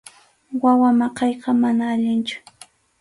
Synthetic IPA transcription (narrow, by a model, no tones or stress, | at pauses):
wawamɑqɑjqɑmanaːʎɪnt͡ʃʊ̥